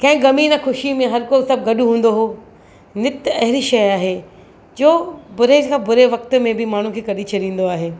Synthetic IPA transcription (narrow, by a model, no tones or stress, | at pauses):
kɐ̃ɦɪ̃ɡɐminɐxʊʃimẽɦɐɾkoːsɐb̚ɡɐɗʊɦũːnd̪oɦoː | nɪt̪ɐɦɪɾiʃɐjaːɦeː | d͡ʑoːbʊɾekʰãbʊɾeʋɐk̚t̪mẽbɪmaːɳ̤ũkʰeːkɐɗit͡ɕʰɐɗĩːn̆d̪oaːɦeː